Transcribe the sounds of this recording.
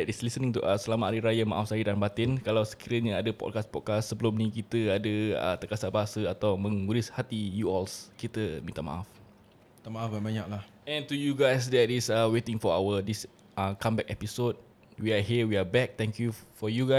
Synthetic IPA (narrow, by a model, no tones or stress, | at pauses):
ɛtislisənĩŋt̪uʔasəlamaaɾiɾajama̰ʔafsaɾidanbat̪ɪnkalawsə̥kiɾəɲaadəpɔ̰t̚kaspɔt̚kasːəbəlumnĩkit̪əadəə̰t̪əkasabaɦasəat̪awmə̃ŋuɾishat̪ijuɔlskit̪əmĩt̪ama̰ʔaf | t̪amaafbabaɲak̚lah | ɛ̃nt̪ujuɡajs̬dɛt̪isawet̪ɪ̃ŋfɔawədis | akãmbɛkɛpisod̚ | wiaɦiəwiabɛk̚t̪ɛ̃ŋkjufɔjuɡa